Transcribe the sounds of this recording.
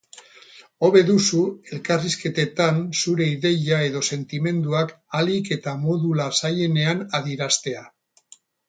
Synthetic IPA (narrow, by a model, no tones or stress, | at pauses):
o̞βe̞ðusue̞lkariske̞t̪e̞t̪ansuɾe̞iðe̞ʎae̞ðo̞se̞nt̪ime̞nd̪uakalike̞t̪amo̞ðulasaje̞ne̞anaðiɾast̪e̞a